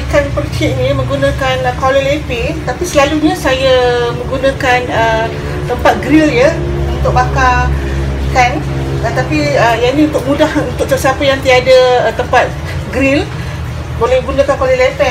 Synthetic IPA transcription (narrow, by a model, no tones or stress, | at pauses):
ikanpərt͡ʃiʔ̚nimə̃ŋɡunãkankolelepit̪apisəlaluɲãsajamə̃ŋɡunãkanə | t̪əmpat̪̚ɡɾilɲa | unt̪ʊk̚baka | hɛnat̪apiəjaniunt̪ʊk̚mũdahunt̪ʊk̚səsiapajaŋt̪iadat̪əmpat̪̚ | ɡɾil | bolɛhɡunakankolɛlepɛ